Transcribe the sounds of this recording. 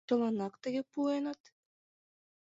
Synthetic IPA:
olˠɑnɑkt̪ɘ̆ɡʲepuenɑt̪

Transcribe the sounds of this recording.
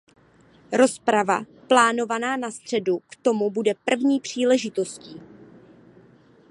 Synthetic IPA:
ɾo̞spɾava̰ | plaːno̞vanaːnast̪r̝̥ɛdukt̪o̞mubudɛpr̩vɲiːpr̝̥iːlɛʒɪt̪o̞sciː

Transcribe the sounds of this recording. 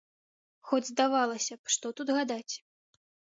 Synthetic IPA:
xɔd͡zʲzd̪avalˠɐsʲɐʂt̪ɔt̪ud̪ɣad̪at͡sʲ

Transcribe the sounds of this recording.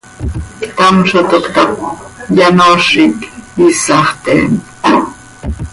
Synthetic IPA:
t̪amʃot̪okt̪ap̚janoʃikisɑχt̪ḛ

